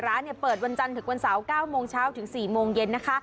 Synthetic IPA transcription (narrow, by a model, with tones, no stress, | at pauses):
ɾaː˦˥nːi˥˩ɐpɤː˨˩t̪̚wa˧nt͡ɕa˧nt̪ʰɯ˩˦ŋwa˧nsa˩˦wkaː˥˩wmoː˧ŋt͡ɕʰaː˦˥wt̪ʰɯ˩˦ŋsiː˨˩moː˧ŋje˧nːa˦˥kʰa˦˥ʔ